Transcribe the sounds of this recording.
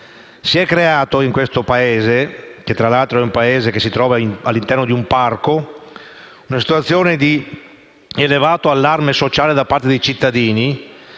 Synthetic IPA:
siɛkːɾeaːt̪oiŋkwest̪opaeːzeket̪ːɾalalt̪ɾoɛumpaeːzekesit̪ɾɔːvaalːint̪ɛrnod̪iumparko | unasi̥t̪uat̪sːjoːned̪i | elevaːt̪oalːarmesot͡ʃaːled̪apːart̪ed̪ejt͡ʃit̪ːad̪iːni

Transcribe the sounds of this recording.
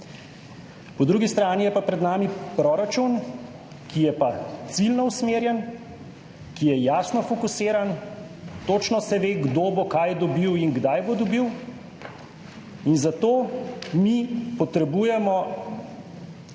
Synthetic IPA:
pɔd̪ɾuːɡist̪ɾaːnijɛpapɾɛd̪naːmipɾoːɾat͡ʃun | kijɛpat̪silnɔusmeːɾjɛn | kijɛjaːsnɔfɔkuseːɾan | t̪ot͡ʃnɔsɛʋeːɡd̪oːbokajd̪ɔbiwinɡd̪ajbod̪ɔbiw | inzat̪oːmipɔt̪ɾɛbuːjɛmɔ

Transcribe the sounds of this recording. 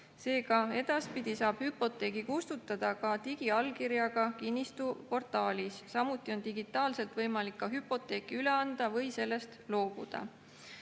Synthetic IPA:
se̞ːkɑe̞d̪̥ɑspid̪̥isɑːb̥hypːo̞t̪ːˑe̞ːɡ̥ikust̪ut̪ːˑɑd̪̥ɑkɑt̪iɡ̥iɑlkiɾjɑɡ̥ɑkinʲːist̪upo̞rt̪ːˑɑːlʲisːɑmut̪ːˑio̞nt̪iɡ̥it̪ːˑɑːlse̞lt̪vɤjmɑlikːɑɦypːˑo̞t̪ːˑe̞ːkːiyle̞ɑnd̪̥ɑvɤ̞jse̞lːe̞st̪lo̞ːb̥ṵd̪̥ɑ̰

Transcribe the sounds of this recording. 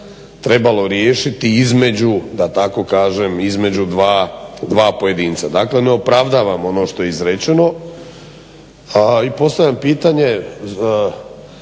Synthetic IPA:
t̪ɾe̞balo̞ɾjeːʃit̪iizme̞d͡ʑud̪at̪ako̞kaːʒemizme̞d͡ʑud̪ʋaːd̪ʋaːpo̞je̞d̪iːnt̪sad̪aːkle̞neo̞pɾaʋd̪aːʋamo̞no̞ʃt̪o̞jeizɾet͡ʃeno̞ | ipo̞st̪aʋʎampiːt̪aɲe̞

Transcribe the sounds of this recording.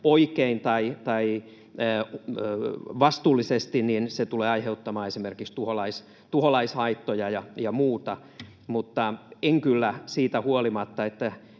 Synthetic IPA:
oikeint̪ɑit̪ɑi | ʋɑst̪uːlːisest̪ininset̪uleːɑiheut̪ːɑmɑːesimerkikst̪uholɑis | t̪uholɑishɑit̪ːojɑjɑjɑmuːt̪ɑ | mut̪ːɑeŋkylːæsiːt̪æhuolimɑt̪ːɑet̪ːæ

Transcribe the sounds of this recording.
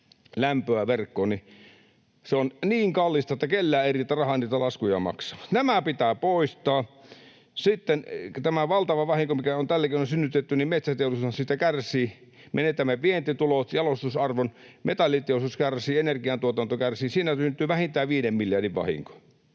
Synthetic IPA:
læmpøæʋerkːoːni | seonniːŋkɑlːist̪ɑet̪ːækelːæːerit̪ːærɑhɑniːt̪ælɑskujɑ̰mɑ̰ksɑʋɑ̥t̪næmæpit̪æːpoˑist̪ˑɑː | sit̪ːent̪æmæʋɑlt̪ɑʋɑʋɑhiŋkomikæont̪ælːækiˑnonsynːyt̪et̪ːynimet̪sæt̪eˑulusuɑsit̪ːækærsˑiː | menet̪ːˑæmeʋient̪it̪ulot̪jɑlost̪usɑrʋonmet̪ɑlːˑit̪eˑost̪uskærsiːenerkiɑnt̪uot̪ɑnt̪okærsiːnsiːnæsynt̪ˑyːʋæhint̪æːʋiːnemmiljɑrdiʋʋɑ̰hḭŋko̥

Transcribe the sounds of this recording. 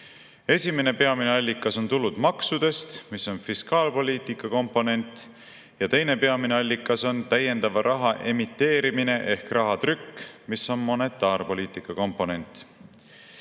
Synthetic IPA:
e̞sʲime̞ne̞pe̞ɑmine̞ɑlʲːikːˑɑso̞nt̪ulud̪̥mɑksud̪̥e̞st̪miso̞nfiskɑːlpo̞lʲiːt̪ˑikːˑɑko̞mpːˑo̞ne̞nt̪ | jɑt̪e̞jne̞pe̞ɑmineɑlʲːikːˑɑso̞nt̪æje̞nd̪ɑvɑɾʔɑɦɑʔe̞mit̪ːe̞ːɾimine̞ʔe̞hkrɑɦɑt̪rykːmisːo̞nmo̞ne̞t̪ːˑɑːɾpo̞lʲiːt̪ˑikˑːɑko̞mpːˑo̞ne̞nʲt̪ˑ

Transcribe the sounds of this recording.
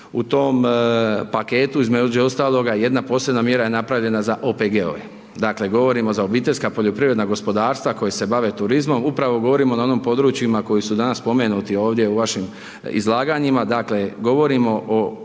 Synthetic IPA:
ut̪o̞ːmpake̞ːt̪uizmed͡ʒeo̞st̪aːlˠo̞ɡaje̞d̪napo̞ːsenamje̞ɾaje̞napɾaʋʎe̞nazaʔo̞peɡeo̰e | d̪akle̞ɡo̞ʋo̞ɾimo̞zao̞biːt̪e̞ʎʲskapo̞ʎo̞pɾiʋɾe̞d̪naɡo̞spo̞d̪aːɾst̪ʋako̞jese̞baʋe̞t̪uɾizmo̞mupɾaʋo̞ɡo̞ʋo̞ɾimo̞nao̞noːmpo̞d̪ɾuːt͡ʃjimako̞jisud̪anaspo̞me̞nut̪io̞ːʋd̪je̞uʋaʃim | ḭzlˠaːɡaɲimad̪akle̞ɡo̞ʋo̞ɾimo̞ʔo

